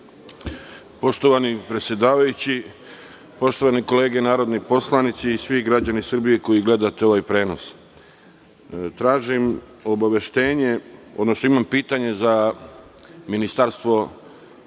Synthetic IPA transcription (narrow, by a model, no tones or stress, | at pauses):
po̞ʃt̪o̞ʋanipɾet̪sʲje̞d̪aːʋajut͡ɕi | po̞ʃt̪oʋaniko̞le̞ːɡe̞naːɾo̞d̪nipo̞slˠanit̪siːsʋiɡɾad͡ʑanisr̩bijeko̞jiɡle̞d̪at̪eo̞ʋajpɾe̞ːno̞s | t̪ɾaːʒim | o̞baʋe̞ʃt̪e̞ːɲe̞o̞d̪no̞snoimampiːt̪aɲe̞za | minist̪aɾst̪ʋo̞